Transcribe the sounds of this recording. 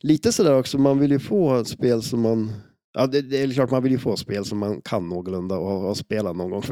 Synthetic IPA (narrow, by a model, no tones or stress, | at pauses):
liːt̪əsɔd̪æːɾɔksɔmanvɪljɵfoːspeːlsɔmːan | ʔɑd̪ɛd̪ɛɛɾkʰlɑːʈmanvɪljɵfoːspeːlsɔmːankʰanːoːɡʊlɵnd̪aɔhɑhɑspeːlat̪nɔnɡɔŋf